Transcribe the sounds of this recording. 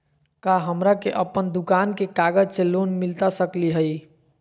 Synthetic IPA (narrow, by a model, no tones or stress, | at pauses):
kaɦəmɾakeʔəpːənd̪ukankekaɡəd͡ʒt͡ʃʰelonmilt̪asəkliɦəj